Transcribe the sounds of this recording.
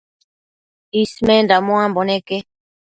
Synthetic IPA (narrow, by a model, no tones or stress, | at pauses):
ismẽnd̪amõãmboneke